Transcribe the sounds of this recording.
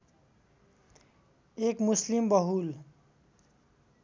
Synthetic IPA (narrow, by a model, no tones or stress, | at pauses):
ekmuslimbʌɦul